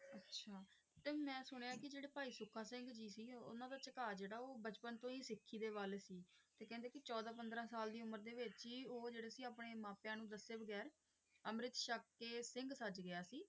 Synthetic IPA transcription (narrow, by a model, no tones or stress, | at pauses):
ətːʃʰaː | t̪eːmɛ̃ːsʊɽ̃eːãːkɪd͡ʒeːɽeːpaːiːsʊkʰːaːsɪ̃ŋɡd͡ʒiːsiːʊ̰nãːd̪aːt͡ʃəkaːd͡ʒeːɽaːoːbət͡ʃpənt̪õːiːsɪkʰːiːd̪eːʋaːleːsiːt̪eːkɛ̃ːnd̪eːkɪt͡ʃɔːd̪aːpə̃nd̪ɾãːsaːld̪iːʊməɾd̪eːʋɪt͡ʃɦiːoːd͡ʒeːɽeːsiːaːpɳeːmãːpjãːnũːd̪əseːbəɡɛːɾ | əmɾɪt̪ʃəkːeːsɪ̃ŋɡsəd͡ʒɡɪjaːsiː